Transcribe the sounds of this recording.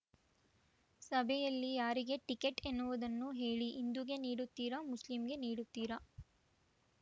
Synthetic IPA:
sɐbʱɛjɐlːijaːɾiɡe̞ʈikeʈenːuʋud̪ɐnːuɦe̞ːɭiʔːnd̪uɡe̞niːɽut̪ːiːɾɐmuslimɡe̞niːɽut̪ːiːɾɐ

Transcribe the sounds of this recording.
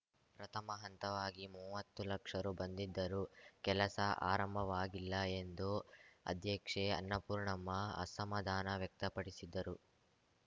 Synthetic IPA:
pɾɐt̪ʰɐmɐɦɐnt̪ɐʋaːɡimuːʋɐt̪ːulɐkʂɐɾubɐnd̪id̪ːɐɾukɛlɐsɐʔa̰ːɾɐmbʱɐʋaːɡilːɐe̞nd̪uɐ̰d̪ʱjɐkʂeɐ̰nːɐpuːɾɳɐmːɐɐ̰sɐmɐd̪ʱaːnɐʋjɐk̚t̪ɐpɐɽisid̪ːɐɾu

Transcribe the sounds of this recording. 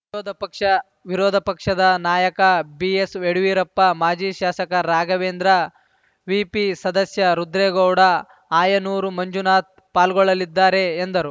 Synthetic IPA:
dkɐ | ʋiɾɔːd̪ʱɐpɐkʂɐd̪ɐnaːjɐkɐbieseɽuʋiːɾɐpːɐmaːd͡ʒiːʃaːsɐkɐɾaːɡɐʋeːnd̪ɾɐ | ʋiːpisɐd̪ɐsjɐɾud̪ɾeːɡɐwɽɐ | aːjɐnuːɾumɐɲd͡ʒunaːt̪̚ | paːlɡɔɭːɐlid̪ːaːɾe̞ːnd̪ɐɾu

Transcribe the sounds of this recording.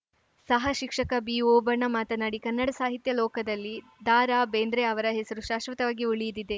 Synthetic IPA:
sɐɦɐʃikʂɐkɐbiːoːbɐɳɐmaːt̪ɐnaɽikɐnːɐɽɐsaːɦit̪jɐlɔːkɐd̪ɐlːi | d̪aːɾaːbeːnd̪ɾeɐʋɐɾɐɦesɐɾuʃaːʃʋɐt̪ɐʋaːɡiuɭijid̪id̪e̞

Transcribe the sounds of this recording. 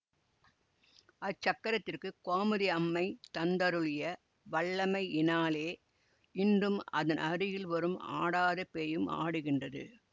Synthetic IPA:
ɐt͡ʃːɐkːɐɾɐt̪ːɪrkɯkaːmɐðiɐmːɐɪt̪ɐnd̪ɐɾɯɭɪjɐ | ʋɐɭːɐmɐɪɪnaːleː | ɪndrɯmɐ̰ðɐnʔɐɾɯjɪlʋɐɾɯma̰ːɽaːðɐpeːjɯma̰ːɽɯɣɪndrɐðɯ̰

